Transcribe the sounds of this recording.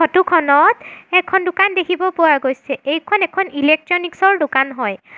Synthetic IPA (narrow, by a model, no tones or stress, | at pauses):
ɔtukʰɔnɔtɛkʰɔndʊkandekʰibɔpʊwaɹɡojsɛejkʰɔnɛkʰɔnilek̚tɹɔniksɔɹdʊkanɦɔj